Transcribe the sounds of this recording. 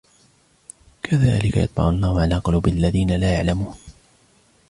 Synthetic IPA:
kʰaðaːlɪka̰jɑt̪̚ˤbɑ̰ʕʊlːaːhʊʕalaːqɑluːbɪʔalːaðiːnalaːjaʕlamuːn

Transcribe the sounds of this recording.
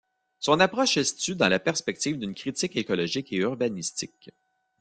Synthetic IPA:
sɔ̃napʁɔʃɛst͡s̪yd̪ɑ̃lapɛʁspɛk̚t̪iːvd̪ɨnkʲʁit̪ɪkekɔlɔʒɪkeyʁbanist̪ɪk

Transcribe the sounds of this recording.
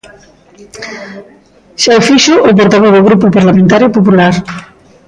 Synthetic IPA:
ʃaofiʃoʔːp̬oɾt̪aβ̞oðoɣɾupopaɾlamẽnt̪aɾjopopulaɾ

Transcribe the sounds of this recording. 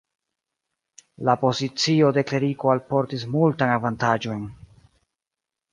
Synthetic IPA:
lapo̞zit͡sio̞de̞kle̞ɾiko̞alpo̞ɾtis̬multanavantad͡ʒo̞n

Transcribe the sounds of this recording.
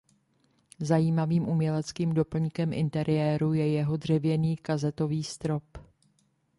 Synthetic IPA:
zajiːmaviːmʔumɲɛlɛt͡skiːmdo̞pl̩ɲkɛmʔɪ̰nt̪ɛɾʔɪjɛːɾujɛjɛɦo̞dr̝ɛvjɛniːkazɛt̪o̞viːst̪ɾo̞p

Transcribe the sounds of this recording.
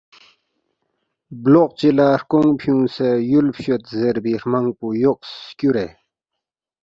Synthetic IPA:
bloq̚t͡ɕilaɾkoŋpʰjũːsejulpʰɕot̪zeɾbiɾmaŋpujok̚skʲuɾe

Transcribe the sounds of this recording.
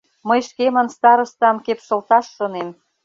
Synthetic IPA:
məjʃkemə̆nst̪ɑɾɤ̆st̪ɑmkepʃɤ̆lt̪ɑʃːɤ̆nem

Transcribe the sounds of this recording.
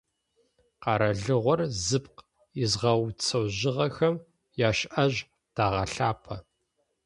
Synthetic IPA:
qɑːɾɐɮɨʁʷɔrzɨp̚q | ɪzʁɐwt͡sʰɐwʑɪʁɐxɐm | jaːʃʔɐʑ | d̥aːʁɐɬaːpʰɐ

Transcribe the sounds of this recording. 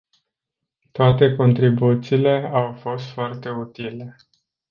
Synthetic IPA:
t̪oat̪e̞ko̞nt̪ɾibut̪siːle̞awfo̞st̪foart̪e̞ut̪ile̞

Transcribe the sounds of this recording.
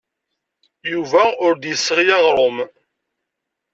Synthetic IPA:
juvæʊɾd̪jəsːʁjæʁɾˤom

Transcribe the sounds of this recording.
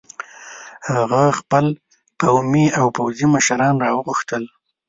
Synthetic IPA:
haɣaxpəl | qawmiawpawziməʃɾɑnɾɑwəɣʊxt̪əl

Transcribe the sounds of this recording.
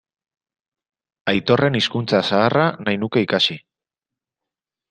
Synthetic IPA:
ajt̪o̞re̞niskunt͡sasaːranajnuke̞ikasi

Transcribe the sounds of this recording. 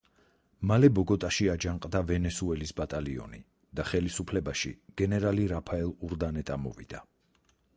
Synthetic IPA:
malɛbɔɡɔt̪ʼaʃiad͡ʒaŋqʼd̪avɛnɛsuɛlisbat̪ʼaliɔ̰ni | d̪̥aχɛlisupʰlɛbaʃiɡ̥ɛnɛɾaliɾapʰaɛlˠuɾd̪anɛt̪ʼamɔ̰vḭd̪a

